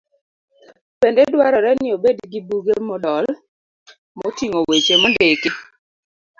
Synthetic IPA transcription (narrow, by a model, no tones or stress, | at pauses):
pendedwaɾɔɾɛnɪobedɡɪbuɡemɔdɔl | mɔtiŋowet͡ʃemɔndekɪ